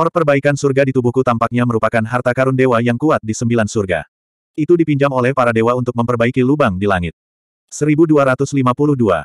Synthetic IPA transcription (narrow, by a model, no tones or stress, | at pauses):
ɔrpərbaikansurɡadit̪ubuhkut̪ampak̚ɲaməɾupakanɦart̪akaɾʊndewajaŋkuat̪̚disəmbilansurɡa̰ | it̪udipiɲd͡ʒamolɛhpaɾadewaunt̪ʊk̚məmpərbaikilubaŋdilaŋɪt̪̚ | səɾibuduaɾat̪ʊslimapulʊhdua̰